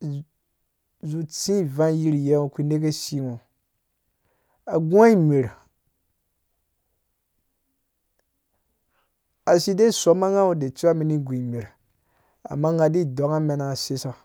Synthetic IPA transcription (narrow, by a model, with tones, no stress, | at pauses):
zu˨tĩ˦˨vã˦ji˦ɾi˨je˦o˨ki˦ne˦ke˦si˦ŋo˨ | a˨ɡa˦i˦me˨ɾi˨ | a˨si˦de˦˨so˦ma˦ŋa˦o˦de˨t͡ʃi˦a˦mi˨ni˦ɡʷĩ˨i˨me˨ɾ | a̰˨ma˦ŋa˨di˦˨dɔ˨˦ŋa˦mɛ˨na˨si˦sa˨